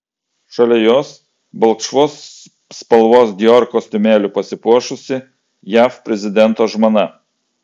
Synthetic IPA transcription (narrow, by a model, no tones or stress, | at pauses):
ʃɐlʲɛjoːs | bɐlˠkʃʋoːsː | pɐlˠʋoːsd̪ʲjɔɾkoːsʲt̪ʲʊmʲæːlʲʊpɐsʲɪpuɔʃʊsʲɪ | jæːfpʲɾʲɛzʲɪd̪ʲɛnt̪oːʒmoːnɐ